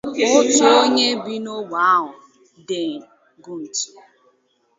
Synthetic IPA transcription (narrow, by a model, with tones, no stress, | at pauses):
ʊ˦t͡ʃo˦o˦ɲe˦bi˦no˦wa˨a˦ɦʊ˨ | de˨ | ɡu˦n̩˨t͡ʃi˨